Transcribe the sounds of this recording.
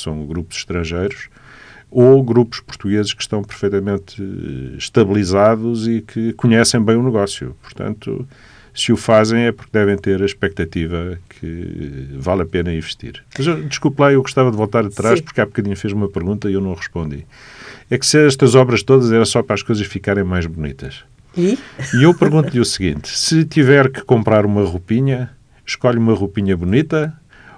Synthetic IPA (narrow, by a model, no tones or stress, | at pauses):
sɐ̃w̃ɡɾupuz̥ʃt̪ɾɐ̃ʒejɾuʃ | oɣɾupu̥ʃpuɾt̪uɣezɨʃkʃt̪ɐ̃w̃pɨɾfejt̪ɐmẽnt̪ | ʃt̪ɐβlˠizaðuzikʰɨkuɲɛsɐ̃j̃bɐ̃j̃unɨɣɔsjṵpuɾt̪ɐ̰̃nt̪ṵ | sɨufazẽj̃ɛpuɾk̚d̪ɛvẽj̃t̪eɾɐʃpɛk̚t̪ɐt̪ivɐkʰɨ̰ | valˠɐpenɐĩvɨ̥ʃt̪ḭɾmɐzewd̪ɨʃkulˠplˠaewɣuʃt̪avɐðvolˠt̪aɾɐt̪ɾaʃpuɾkapkɐðiɲufizumɐpɨɾɣũnt̪ɐiewnɐ̃w̃ʁɨʃpõnd̪ḭ | ɛksɛʃt̪ɐzɔβɾɐʃt̪oðɐzɛɾɐsɔpɾaʃkojzɐʃfikaɾẽj̃majʒβunḭt̪ɐʃ | iiewpɨɾɣũnt̪uʎusɣḭ̃nt̪sɨt̪ivɛɾkɨ̥kõmpɾaɾumɐʁupiɲɐ | ʃkɔʎumɐʁupiɲɐβunit̪ɐ